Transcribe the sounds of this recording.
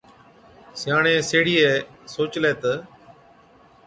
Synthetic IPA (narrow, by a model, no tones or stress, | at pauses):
sɪjaːɳẽːseːɽiːeːsoːt͡ʃleːt̪ə